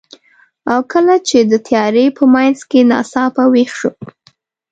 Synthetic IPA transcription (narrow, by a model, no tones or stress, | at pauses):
awkəlat͡ʃed̪ət̪ʰjɑɾepəmajnzkenɑ̰sɑpawexʃu